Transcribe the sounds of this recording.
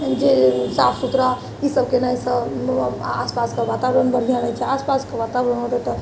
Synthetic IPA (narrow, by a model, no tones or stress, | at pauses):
d͡ʒesapʰsut̪ɾa | isəbkenajsə | a̰spaskaʋat̪aʋɾənbəɽ̤ijanat͡ʃʰɛaspaskaʋat̪aʋɾənɦot̪et̪ə